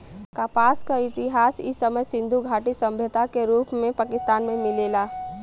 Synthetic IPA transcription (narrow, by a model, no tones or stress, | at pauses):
kaːpaːskaɪt̪ɪɦaːsɪsːəməjsɪ̃nd̪ʱuɡʱaːʈisɐ̃mbʱjət̪akeɾuːpmẽpaːkɪst̪aːnmẽmɪleːlaː